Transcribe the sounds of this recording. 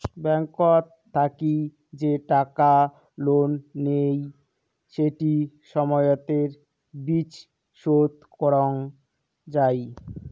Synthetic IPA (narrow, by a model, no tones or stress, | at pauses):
bɛŋkotʰːaki | d͡ʑeʈaka | lonːej | ʃeʈi | ʃɔmɔjot̪eɾ | bit͡ɕ | ʃot̪kɔɾoŋ | d͡ʑaj